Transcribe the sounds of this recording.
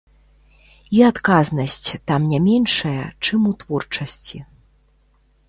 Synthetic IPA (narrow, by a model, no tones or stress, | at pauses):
iat̪kaznɐsʲt͡sʲt̪amnʲamʲɛnʂɐjɐt͡ʂɨmut̪vɔrt͡ʂɐsʲt͡sʲi